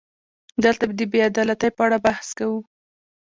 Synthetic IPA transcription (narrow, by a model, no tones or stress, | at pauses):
d̪əlt̪abd̪əbead̪ɑlat̪əjpəaɽabahskawu